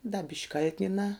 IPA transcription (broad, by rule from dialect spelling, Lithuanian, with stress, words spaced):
dɐ bʲɪʃʲkʲ ˈkɐlʲtʲnʲɪnɑː